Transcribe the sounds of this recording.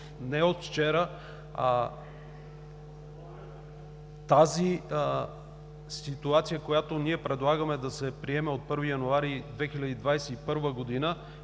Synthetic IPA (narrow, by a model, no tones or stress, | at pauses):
nɛot̪ft͡ʃɛɾə | t̪azi | sit̪uat̪sijəkojat̪oniɛpɾɛd̪lˠaɡəmɛd̪ɐsɛpɾiɛmɛot̪̚pɤɾvijɐnuaɾid̪vɛxilʲɐd̪id̪vajsɛipɤɾvəɡod̪inə